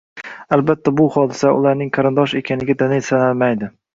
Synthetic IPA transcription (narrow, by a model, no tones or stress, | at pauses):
albat̪ʰːabʊhɒd̪ɪsaʊ̰laɾnɪŋqʰɑɾɪnd̪ɒʃe̞kʲʰanɪɡʲad̪anesanalmajd̪ɪ